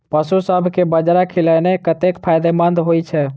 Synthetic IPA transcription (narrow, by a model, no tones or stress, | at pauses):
pəsusəbʱkebəd͡ʒɾakʰilɛnekət̪ekpʰajd̪emənd̪ɦojt͡ʃʰɛ